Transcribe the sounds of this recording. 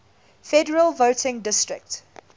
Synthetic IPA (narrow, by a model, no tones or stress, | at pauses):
fɛdəɹəlˠvoʊtʰɪ̃ŋdɪstɹɪ̰k̚t